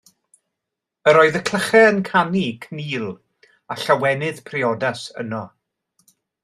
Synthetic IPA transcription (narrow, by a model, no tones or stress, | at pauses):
əɾɔːɨðəkʰl̥ˠəχɛənkʰanikʰniːlˠ | aɬawɛnɨðpʰriɔdasə̰nɔ